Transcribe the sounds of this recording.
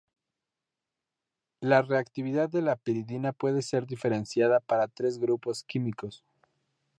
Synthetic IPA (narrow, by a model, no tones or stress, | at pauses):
lare̞akt̪iβiðaðːe̞lapiɾiðinapwe̞ðe̞se̞ɾðife̞ɾe̞nsjaðapaɾat̪ɾe̞zɣɾupo̞skimiko̞s